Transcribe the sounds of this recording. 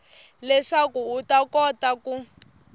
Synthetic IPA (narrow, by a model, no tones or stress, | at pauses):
lɛʂakuutakɔtaku